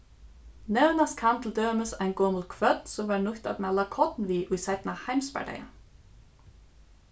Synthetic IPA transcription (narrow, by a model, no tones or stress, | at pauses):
nɛʉnɑskʰɑmt̪ʰl̩d̪øːməsæɪnɡɔml̩kʰʋœd̪̥sɔmʋɑːɾɳʊht̪ɑ̰d̪mɛlɑkʰɔt̪n̩ʋiːʔʉːsæɪt̪n̩ɑhæɪmspæ̰ɖæ̰ɪə̰